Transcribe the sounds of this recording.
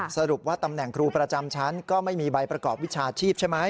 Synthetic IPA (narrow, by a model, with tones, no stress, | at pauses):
sa˧ɾu˨˩p̚waː˥˩t̪a˧mnɛ˨˩ŋkʰɾuː˧pɾa˧t͡ɕa˧mt͡ɕʰa˦˥nkɔː˥˩ma˥˩jmiː˧ba˧jpɾa˧kɔː˨˩p̚wi˦˥t͡ɕʰaː˧t͡ɕʰiː˥˩p̚t͡ɕʰa˥˩jma˦˥j